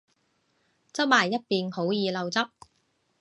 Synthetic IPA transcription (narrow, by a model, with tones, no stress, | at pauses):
t͡sɐ˥p̚maː˨˩jːɐ˥t̚piː˨˧nho˨˥wjiː˨˧lɐ˨˧wt͡sɐ˥p̚